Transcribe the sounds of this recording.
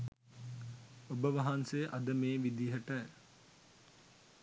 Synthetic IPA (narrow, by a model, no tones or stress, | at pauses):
obəʋɐɦanseʔɐd̪əmeːʋid̪iɦəʈə